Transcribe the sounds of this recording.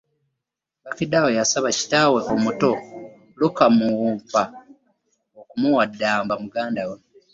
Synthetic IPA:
bakidawajasaβaci̥taweʔomuto̞ | lukamuuːpa | okumuwadːaːmbamuɡaːndawe

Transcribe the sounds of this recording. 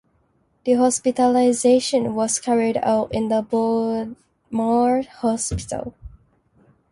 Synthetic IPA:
ð̥əɦɔspitəlaɪzeʃə̃nwɔskʰɛɹida̰ʊtɪ̃nd̪əbɔ | mɔɹhɔspɪ̥tə̰lˠ

